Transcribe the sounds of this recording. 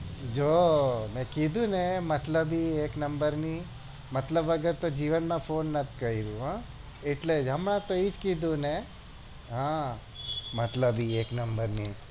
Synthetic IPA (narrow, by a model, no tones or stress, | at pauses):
d͡ʒomɛ̃kid̪ʱũnemət̪ləbieknəmbəɾni | mət̪ləbəɡəɾt̪od͡ʒiʋənmãfonːət̪ʰkəiɾũɦã | eʈled͡ʒɦəmɳãt̪oid͡ʒkid̪ʱũne | ɦã | mət̪ləbieknəmbəɾni